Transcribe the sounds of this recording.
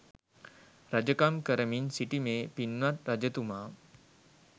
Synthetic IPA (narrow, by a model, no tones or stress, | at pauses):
ɾad͡ʑəkamkəɾəmiːnsiʈimepinːat̪ɾad͡ʑət̪uma